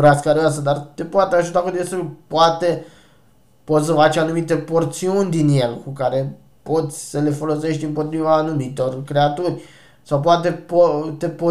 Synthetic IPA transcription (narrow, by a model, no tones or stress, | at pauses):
ɾaskaɾiasəd̪art̪e̞poat̪eaʒut̪akud̪est̪ulʲpoat̪e̞ | pot̪s̬vat͡ʃianumit̪e̞po̞rt̪siunʲd̪inje̞lkukaɾe̞ | po̞t̪sʲsəle̞fo̞lo̞se̞ʃt̪ʲɨmpo̞t̪ɾivaːnumit̪o̞rkɾe̞at̪urʲ | sawpoat̪̬e̞pot̪e̞po